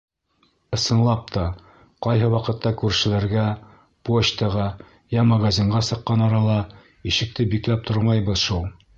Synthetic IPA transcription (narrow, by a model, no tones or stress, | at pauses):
ɤ̆sɤ̆nlˠɑp̚t̪ʰɑ | qɑjɦɤwɑqɤ̆t̪ːɑkʉɾʃɘ̆læɾɡæ | pot͡ɕt̪ɤʁɑ | jæmaɡazʲiɴʁɑsɤ̆qːɑnɑɾɑlˠɑ | iʃɘ̆k̚t̪ɘbiklæp̚t̪ʰoɾmɑjbɤzʃulˠ